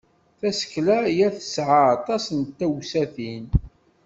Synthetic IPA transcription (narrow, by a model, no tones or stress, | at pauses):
θæsə̥klæjæθə̥sʕaɑt̪ˤɑsnt̪ːæwsæθin